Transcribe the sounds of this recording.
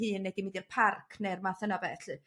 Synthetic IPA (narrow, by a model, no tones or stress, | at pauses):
hɨːnːɛdimidirpʰarkʰnermaθənabɛɬɨ